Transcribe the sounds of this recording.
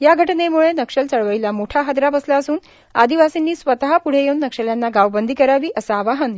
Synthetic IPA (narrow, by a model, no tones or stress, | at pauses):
jaɡʱəʈnemuɭenəkʂəlt͡səɭʋəilamoʈʰaɦad̪ɾapəslaəsuːn | a̰d̪iʋasinːiːsʋət̪aɦapuɽ̤ejeunːəkʂəljanːaɡaʋbənd̪ʱikəɾaʋiːʔəsaːʋaɦən